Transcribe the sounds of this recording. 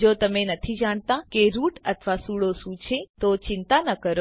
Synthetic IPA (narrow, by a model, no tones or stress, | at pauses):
d͡ʒot̪əmenət̪ʰid͡ʒaɳ̃t̪akeɾuʈət̪ʰʋasuɭosũt͡ʃʰet̪ot͡ʃɪnt̪anəkəɾo